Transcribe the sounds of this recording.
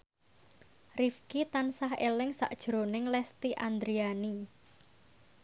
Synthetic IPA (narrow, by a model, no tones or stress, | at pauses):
rifkit̪ansaɦelɪŋsa̰ʔd̥ʒ̥ɾonɪŋlɛst̪iʔand̪ɾiani